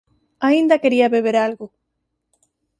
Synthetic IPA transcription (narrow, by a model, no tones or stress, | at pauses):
aind̪akeɾiaβeβ̞eɾalɣo